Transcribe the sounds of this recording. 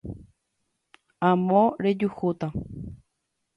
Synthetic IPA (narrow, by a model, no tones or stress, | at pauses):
ãmõɾed͡ʒuhut̪a